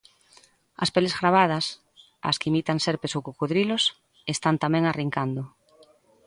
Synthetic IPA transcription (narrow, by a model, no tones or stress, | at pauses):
ɐ̰spelezɣɾaβ̞að̞ɐs | a̰skeimit̪aŋseɾpesowkokuðɾilos | est̪ant̪amɛ̃ŋariŋkand̪ʊ